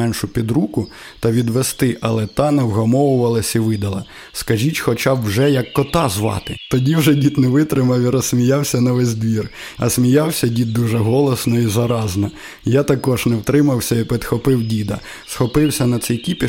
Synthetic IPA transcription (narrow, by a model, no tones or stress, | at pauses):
ɛnʃʊpʲid̪ɾukʊ | t̪ɐʋʲid̪ʋest̪ɪʔɐlˠɛt̪ɑnɐwɦɐmɔwʊʋɐlˠɐsʲiʋɪd̪ɐlˠɐ | skɐʒʲitʲxɔt͡ʃɑwwʒɛjɐkːɔt̪ɑzʋɑ̰t̪ɪt̪ɔdʲiwʒɛdʲit̪nɛʋɪt̪ɾɪmɐwiɾɔsmʲijɑwsʲɐnɐʋɛzʲd̪ʋʲirɐ̰sʲmʲijɑwsʲɐdʲit̪̚d̪uʒɛɦɔlˠɔsnɔizɐɾɑznɐ | jat̪ɐkɔʒnɛwt̪ɾɪmɐwsʲɐipɪd̪xɔpɪwdʲid̪ɐ | sxɔpɪwsʲɐnɐt̪sɛjkʲipʲi